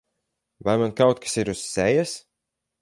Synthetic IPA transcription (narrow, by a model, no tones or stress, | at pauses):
vajmankawt̪̚kḁsiɾusːɛjas